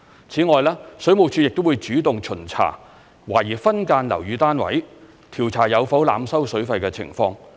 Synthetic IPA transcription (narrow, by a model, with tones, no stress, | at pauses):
t͡sʰiː˨˥ŋɔː˨jlaː˥sɵ˨˥mo˨wt͡ʃʰyː˨˧˥jɪ˨k̚t̪o˥wuː˨˧jt͡ʃyː˨˥t̪ʊ˨ŋt͡ʃʰɵ˨˩nt͡sʰa̰ː˨˩ | waː˨˩jiː˨˩fɐ˥nkaː˧nlɐ̰˨˩wjyː˨˧t̪aː˥nwɐ̰˨˥j | t̪ʰiː˨˩wt͡sʰaː˨˩jɐ˨˧wfɐ˨˥wla̰ː˨˧msɐ˥wsɵ˨˥ɥfɐ˧jkɛː˧t͡sʰɪ̰˨˩ŋfɔː˧ŋ